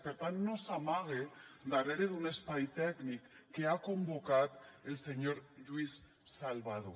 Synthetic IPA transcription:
peɾt̪anːosamaɣ̞ed̪areɾeðunespajt̪ɛknikː | eakombokat̪elseɲoɾʒuisː | alβaðo

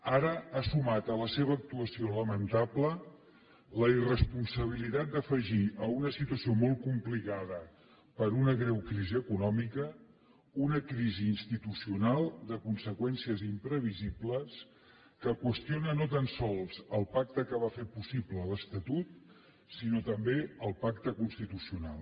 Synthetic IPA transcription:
aɾəasumat̪ələseβəːk̚t̪uəsioləmənt̪aplə | ləirəspunsəβ̞ilit̪at̪̚d̪əfəʒiʔəunəsit̪uəsiomɔl̚ˠkumplikaðə | pəɾunəɣɾɛwkɾiziəkunɔmikə | unəkɾiziːnst̪it̪usiunalˠd̪əkunsəkwɛnsiəzimpɾəβ̞izibləs | kəkwəst̪ionənot̪ansɔlˠzəlˠpak̚t̪əkəβ̞afepusiblələst̪ət̪ut̪̚ | sinot̪əmbeəlˠpakt̪əkunst̪it̪usiuna̰lˠ

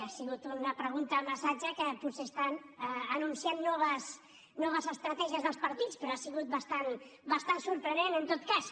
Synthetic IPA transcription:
asiɣut̪unəpɾəɣ̞unt̪əməsad͡ʒəkəputsest̪anəːnunsianːɔβ̞əs | nɔβəzəst̪ɾət̪ɛʒiəzðəlˠspəɾt̪it͡spɾoasiɣut̪̚bəst̪anbəst̪ansuɾpɾənenənt̪ot̪kas

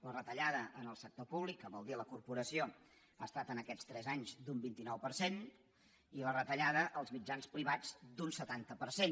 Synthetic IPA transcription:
lərət̪əʎaðəʔənəlˠsək̚t̪opuβlikːəβɔlˠd̪iləkurpuɾəsio | aəst̪at̪ənəkɛt͡sst̪ɾɛzaɲzd̪umbint̪inɔwpəɾsen | ilərət̪əʎað̞əʔəlˠzmid͡ʒanspɾiβad͡zd̪unsət̪ant̪əpəɾsen

